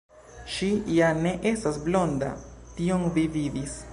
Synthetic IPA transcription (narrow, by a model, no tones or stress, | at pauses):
ʃijane̞ʔe̞stasblo̞nda̰tio̞ŋvividis